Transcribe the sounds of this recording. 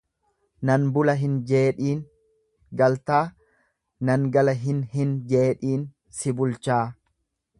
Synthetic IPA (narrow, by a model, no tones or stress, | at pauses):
nɐnbʊlɐɦɪnd͡ʒe̞ːᶑiːn | ɡɐlt̪aː | nɐŋɡɐlɐɦɪnhɪnd͡ʒe̞ːᶑiːn | sɪbʊlt͡ʃaː